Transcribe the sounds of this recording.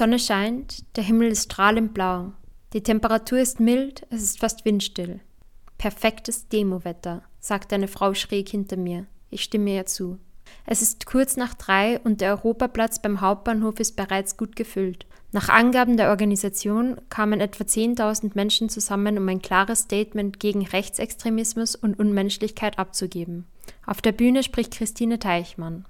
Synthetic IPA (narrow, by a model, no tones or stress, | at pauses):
iz̥ɔnəʃaɪntd̥eːɐɦɪml̩ɪstʃtʁ̥aːlʊnt̚b̥laʊd̥iːtʰɛmpəʁatʰuːɐɪstmɪltʔɛsɪstfastv̥ɪntʃtɪl | pʰɛɐfɛktəsd̥eːmovɛtɐz̥aːktʔaɪnəfʁ̥aʊʃʁ̥ɛːkhɪntɐmiːɐʔɪçʃtɪməiːɐt͡suːʔɛsɪstkʰʊɐt͡snaːχd̥ʁaɪʔʊntd̥eːɐʔɔʏʁoːpapl̥at͡sb̥aɪmɦaʊp̚t̚b̥aːnhoːfɪst̚b̥əʁaɪt͡sɡ̥uːtɡ̥əfʏlt | naːχʔa̰nɡaːbm̩deːɐʔɔɐɡanizat͡sjoːnkʰaːmənʔɛtv̥at͡seːntʰaʊzn̩tmɛnʃn̩t͡suzamənʊmaɪnkʰl̥aːʁəsʃtɛɪtmɛntɡ̥eːɡŋ̩ʁɛçt͡sɛkstʁ̥emɪsmʊsʊntʊnmɛnʃlɪçkʰaɪtʔap̚t͡suɡeːbm̩ | ʔaʊfd̥eːɐbyːnəʃpʁ̥ɪçt̚kʁ̥ɪstʰiːnətʰaɪçman